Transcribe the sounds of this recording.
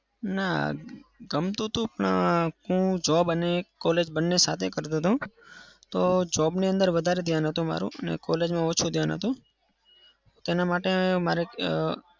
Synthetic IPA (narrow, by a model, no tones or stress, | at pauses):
na̰ | ɡəmt̪ũt̪ũapnã̰kũd͡ʒɔbənekɔled͡ʒbənːesat̪ʰekəɾd̪ed̪ũt̪od͡ʒɔbniə̃nd̪əɾʋəd̪ʱaɾed̪ʱjanɦət̪ũma̰ɾṵ̃ənḛkɔled͡ʒmãot͡ʃʰũd̪ʱjanɦə̰t̪ũ | ot̪enamaʈemaɾe